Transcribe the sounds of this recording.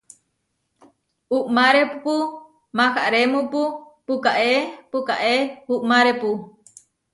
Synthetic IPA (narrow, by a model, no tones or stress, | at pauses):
uʔmaɾepupu | maxaʔɾemupupukaʔepukaʔehuʔmaɾepu